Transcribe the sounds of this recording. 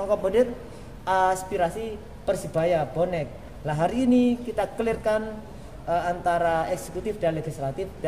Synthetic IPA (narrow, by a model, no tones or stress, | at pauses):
ɔŋkɔbəndɪr | aspiɾasi | pərsib̥ajab̥onɛk̚ | laɦaɾiːnikit̪akəlɪrkan | əant̪aɾaɛkse̥kut̪ɪfd̥aleɡist̪ɾat̪ɪfd̥a